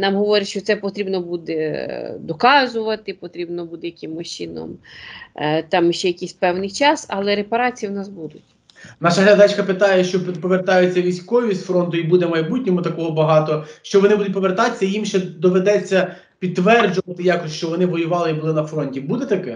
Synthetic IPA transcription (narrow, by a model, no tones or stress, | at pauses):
nɑmɦɔʋɔɾʲɪʃt͡ʃɔt̪sɛpɔt̪ɾʲibnɔbud̪ɛd̪ɔkɑzʊʋɐt̪ɪpɔt̪ɾʲibnɔbud̪ɛjɐkɪmʊt͡ʃɪnɔ̰m | t̪ɑmjʃt͡ʃɛjɐkʲisʲpɛwnɪjt͡ʃɑsɐlˠɛɾepɐɾɑt͡sʲijiwnɑsbud̪ʊtʲ | nɑʃɐɦlʲɐd̪ɑt͡ʃkɐpɪt̪ɑjɛʃt͡ʃɔppɔʋert̪ɑjʊt͡sʲːɐʋʲijsʲkɔjʊisfɾɔnt̪ʊibud̪ɛmɐjbutʲnʲɔmʊt̪ɐkɔɦɔbɐɦɑt̪ɔʃt͡ʃɔʋɔnɪbud̪ʊtʲpɔʋert̪ɑt͡sʲːɐjimʃt͡ʃɛd̪ɔʋed̪ɛt͡sʲːɐ | pʲid̪̚t̪ːʋɛrd͡ʒʊʋɐt̪ɪjɑkɔsʲʃt͡ʃɔʋɔnɪʋɔjʊʋɑlˠɪibʊlˠɪnɐfɾɔnʲtʲibud̪ɛt̪ɐkɛ